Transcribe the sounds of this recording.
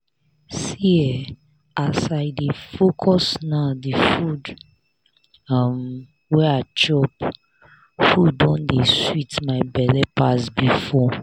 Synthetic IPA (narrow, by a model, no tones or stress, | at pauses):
siɛ | asaɪdefokʰɔsnadifud | ʌm | wɛaɪt͡ʃɔp | fudːɔ̃ndeswitmaɪbɛlɛpasbifɔ